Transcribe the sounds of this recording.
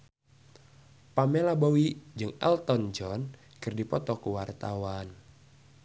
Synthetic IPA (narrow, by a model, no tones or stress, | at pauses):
pamɛlabowid͡ʒɨŋɛ̰lt̪ɔnd͡ʒɔn | kɨrdipɔt̪ɔkuwart̪awan